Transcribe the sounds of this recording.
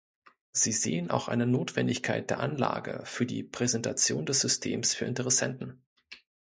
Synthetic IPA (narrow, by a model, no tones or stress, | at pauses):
z̥iːzeːənʔa̰ʊxʔa̰ɪnənoːtv̥ɛndɪçkʰaɪt̚d̥eːɐʔanla̰ːɡə̰fyːɐdḭːpʁ̥ɛzɛntʰat͡sjoːndɛsz̥ʏstʰeːmsfyːɐɪntəʁɛsɛntn̩